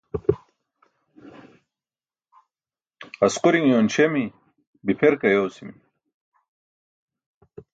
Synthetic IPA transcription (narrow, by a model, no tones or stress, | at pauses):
ɐsquɾiŋjonɕemi | bipʰeɾkɐjowsimi